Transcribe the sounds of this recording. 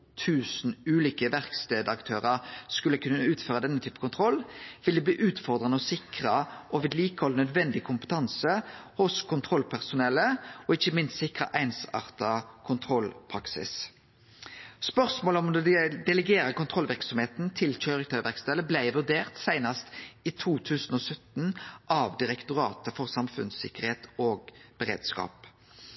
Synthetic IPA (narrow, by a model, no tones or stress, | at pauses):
t̪ʰʉːsn̩ʉːliːkəʋæʁkst̪eːd̪ɑkt̪ʰøːʁɑʁskʉlːəkʉnːəəʉːt̪føːʁɑd̪ɛnːət̪ʰyːpə̥kʊnt̪ʰʁɔlːʋɪld̪ɛbliːʔʉːt̪fɔʁd̪ʁɑnəɔsɪkʁəʔɔʋɪd̪liːkəhɔlnœd̪ʋɛnd̪ɪkʰʊmpə̥t̪ʰɑnsəhʊskʰʊnt̪ʰʁɔlpʰæʁsʊnɛləɔɪçəmɪnst̪sɪkʁə̰ʔæɪnsɑ̰ːʁt̪ɑkʰʊnt̪ʰʁɔlpʰʁɑksɪ̰s | spœʁsmoːlɔmd̪ɛd̪ɛləɡeːʁəkʊnt̪ʰʁɔlʋɪʁksɔmheːt̪nt̪ʰɪlc͡çœʏʁɪt̪ʰɑʋæʁkst̪ɛləblæɪʋʉʁd̪eːʁt̪sæɪnɑst̪iːt̪ʰuːt̪ʰʉːsn̩oːsœt̪nʔɑʋd̪ɪʁɛkt̪ʊʁɑ̰ːt̪əfɔʁsɑmfʉ̰nsɪ̰kəʁheːt̪oːɡb̥əʁḛːd̪skɑ̰ːp